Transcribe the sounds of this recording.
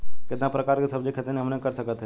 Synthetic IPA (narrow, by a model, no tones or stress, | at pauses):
kɪt̪napɾɐkaːɾkesɐbd͡ʒekʰet̪enẽɦɐmnẽkɐɾsɐkət̪ɦɛː